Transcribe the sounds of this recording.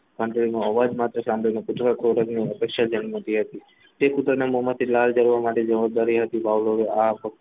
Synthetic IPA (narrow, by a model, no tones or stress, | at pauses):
kə̃ɳʈɾinoəʋad͡ʒmat̪ɾəsãmblinekʊt̪ɾəkʰoɾəkniəpekʃad͡ʒənmət̪iɦət̪i | t̪ekʊt̪ɾənemomat̪ʰilald͡ʒəɾʋamaʈed͡ʒəʋab̚d̪aɾiɦət̪ibaʋloɾeapə